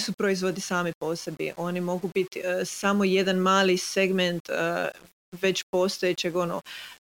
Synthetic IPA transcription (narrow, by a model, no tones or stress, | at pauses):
supɾoizʋo̞d̪isaːmipo̞se̞bḭʔo̞nimo̞ɡubit̪isamoje̞d̪anmaːliseɡment̪ | ʋe̞t͡ɕpo̞st̪ojet͡ɕeɡo̞no